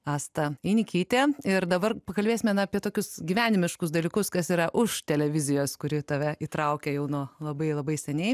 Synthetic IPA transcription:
ɑːst̪ɐɛɪnʲɪkʲiːt̪ʲeːɪɾd̪ɐbɐrpɐkɐlʲbʲeːsʲɪmʲɛnɐɐpʲiɛt̪oːkʲʊsɡʲiʋʲæːnʲɪmʲɪʃkʊsd̪ɐlʲiːkʊskɐsiːɾɐʔʊʃt̪ʲɛlʲɛʋʲɪzʲɪjoːskʊɾʲɪt̪ɐʋʲɛiːt̪ɾɐʊkʲɛjɛʊnuːlˠɐbɐɪlˠɐbɐɪsʲɛnʲɛɪ

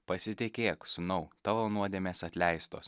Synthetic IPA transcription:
pɐsʲɪt̪ʲɪkʲeːksʊnɐʊt̪ɑːʋoːnuɔd̪ʲeːmʲeːsɐt̪ʲlʲɛɪst̪oːs

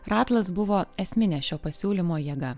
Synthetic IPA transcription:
ɾɑːt̪lˠɐs̬bʊʋoːɛsʲmʲɪnʲɛːʃʲoːpɐsʲuːlʲimoːjiɛɡɐ

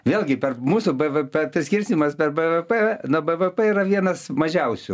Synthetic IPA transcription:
ʋʲeːlʲˠɡʲɪpʲɛrmuːsʊbɛʋɛpʲɛpʲɪsʲkʲɪrʲsʲt̪ʲɪmɐspʲɛrbɛʋɛpɛnuɔbɛʋɛpɛiːɾɐʋʲiɛnɐsmɐʒʲɛʊsʲʊ

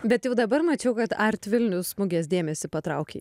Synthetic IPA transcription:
bʲɛt̪jɛʊd̪ɐbɐɾmɐt͡ʃʲɛʊkɐt̪ɐɾʲt̪ʲʋʲɪlʲnʲʊssmʊɡʲeːsd̪ʲeːmʲɛsʲɪpɐt̪ɾɐʊkʲḛɪ

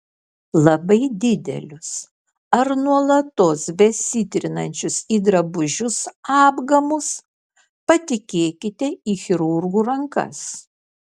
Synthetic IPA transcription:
lˠɐbɐɪd̪ʲɪd̪ʲɛ̰lʲʊs | ɐɾnuɔlˠɐt̪oːsbʲɛsʲɪt̪ʲɾʲɪnɐnʲt͡ʃʲʊsiːd̪ɾɐbʊʒʲʊsɑːbɡɐmʊs | pɐt̪ʲɪkʲeːkʲɪt̪ʲɛiːxʲɪɾʊɾɡuːɾɐŋkɐ̰s

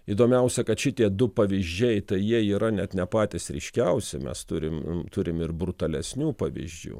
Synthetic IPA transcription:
iːd̪oːmʲɛʊsʲɛkɐt̪ʃʲɪt̪ʲiɛd̪ʊpɐʋʲɪʒʲd͡ʒʲɛɪt̪ɐɪjiɛiːɾɐnʲɛt̪nʲɛpɑːt̪ʲɪsɾʲɛ̰ɪʃʲkʲɛʊsʲɪmʲɛ̰st̪ʊɾʲɪmt̪ʊɾʲɪmɪrbɾʊt̪ɐlʲɛsʲnʲuːpɐʋʲḭzʲd͡ʒʲṵː

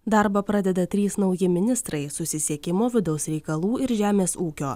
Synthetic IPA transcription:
d̪ɐɾbɐpɾɐd̪ʲɛd̪ɐt̪ʲɾʲiːsnɐʊjɪmʲɪnʲɪst̪ɾɐɪsʊsʲɪsʲiɛkʲɪmoːʋʲɪd̪ɒʊsɾʲɛɪkɐlˠuːɪɾʒʲæːmʲeːsuːkʲoː

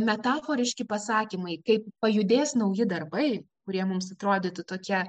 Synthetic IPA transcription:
mʲɛt̪ɑːfoːɾʲɪʃʲkʲɪpɐsɑːkʲimɐɪkɐɪp̚pɐjʊd̪ʲeːsnɐʊjɪd̪ɐrbɐɪ | kʊɾʲiɛmʊmsɐt̪ɾoːd̪ʲiːt̪ʊt̪oːkʲɛ

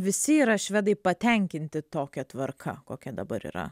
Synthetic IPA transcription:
ʋʲɪsʲɪiːɾɐʃʲʋʲɛd̪ɐɪpɐt̪ʲɛŋʲkʲɪnʲt̪ʲɪt̪oːkʲɛt̪ʋɐɾkʰɐ̰koːkʲɛd̪ɐbɐɾḭːɾɐ̰

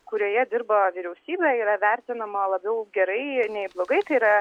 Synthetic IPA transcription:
kʊɾʲoːjɛd̪ʲɪɾbɐʋʲiːɾʲɛʊsʲiːbʲɛiːɾɐʋʲæɾʲt̪ʲɪnɐmɐlˠɐbʲɛʊɡʲɛɾɐɪnʲɛɪblˠoːɡɐɪt̪ɐɪɾɐ

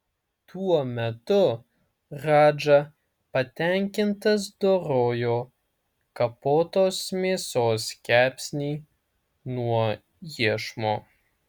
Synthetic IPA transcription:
t̪uɔmʲɛt̪ʊ | ɾɑːd͡ʒɐ | pɐt̪ʲæŋʲkʲɪnt̪ɐs̬d̪oːɾoːjoː | kɐpoːt̪oːsmʲeːsoːskʲæːpʲsʲnʲiː | nuɔ | jiɛʃmoː

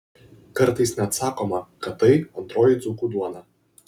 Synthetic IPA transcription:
kɐɾt̪ɐɪsnʲɛɐt̪sɑːkoːmɐkɐt̪ːɐɪɐnt̪ɾoːjɪd̪zukuːd̪uɔnɐ

